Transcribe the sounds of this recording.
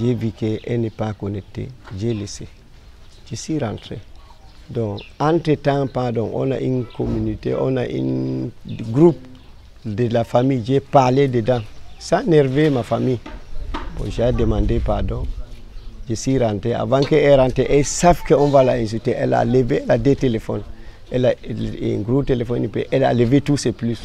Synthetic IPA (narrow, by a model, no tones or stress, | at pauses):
d͡ʒevikeʔenipakonetːḛd͡ʒelese | d͡ʒesiɾante | doŋantetãŋpadoŋʔo̰na̰ʔinkominitḛʔo̰naʔḭn | ɡɾup̚ | delafamid͡ʒepalededãŋsaneɾvemafami | po̰ʒademãndepadõŋ | d͡ʒesiɾãntea̰vãŋkeːɾãnteʔesafkeõnvalaĩns̬iteʔela̰leveladetelefɔ̰n | elaḭŋɡɾup̚telefonipḛʔela̰levetuseplus